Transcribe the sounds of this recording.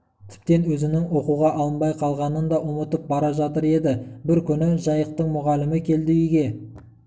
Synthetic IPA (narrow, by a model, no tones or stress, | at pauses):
t̪ʰɪ̥p̚t̪e̞nwɵzɪnɪŋwo̞quʁɑʔɑlˠənbɑjqʰɑlˠʁɑnənd̪ɑʔʊmət̪əp̚bɑɾɑʒɑt̪əɾe̞d̪ɪbɪɾkʲʰʏnɪʒɑjəq̚t̪əɴmʊʁɑlɪmɪkʲʰe̞ld̪ɪjiɡʲe̞